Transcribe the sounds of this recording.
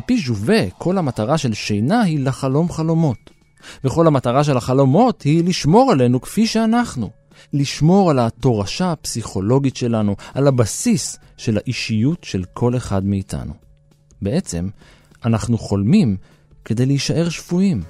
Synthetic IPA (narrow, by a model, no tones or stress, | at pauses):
piʃuve̞kʰo̞lhamataʁaʃe̞lʃejnahilaχalo̞mχalo̞mo̞t | veχo̞lhamataʁaʃ̬e̞laχalo̞mo̞thiliʃmo̞ʁale̞nukfiʃeanaχnu | liʃmo̞ʁalato̞ʁaʃapsiχo̞lo̞ɡitʃe̞lanualabasis | ʃe̞laʔiʃijutʃe̞lkʰo̞le̞χadmeitʰa̰nṵ | be̞e̞t͡se̞̰m | anaχnuχo̞lmim | ke̞d̪e̞jleiʃaʔe̞ʁʃv̥uim